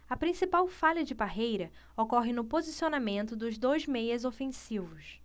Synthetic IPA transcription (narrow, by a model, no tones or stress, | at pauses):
ɐpɾĩsipawfaʎɐd͡ʒɪbaɦejɾɐ | okɔɦɪnʊpozisionamẽnt̪ʊd̪ʊzd̪ojzmejɐzofẽsivʊs